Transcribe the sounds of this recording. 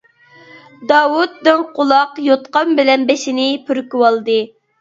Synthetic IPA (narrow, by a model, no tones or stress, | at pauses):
d̪ɑːwut̪ːɪnqʰʊlˠɑqjot̪qɑmbɪlɛnbeʃɪnɪpʰyɾkʲywɑlˠd̪ɨ